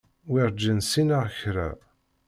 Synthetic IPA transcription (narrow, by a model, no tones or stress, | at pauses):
wɪɾˤd͡ʒːənsinəʁçɾæ̰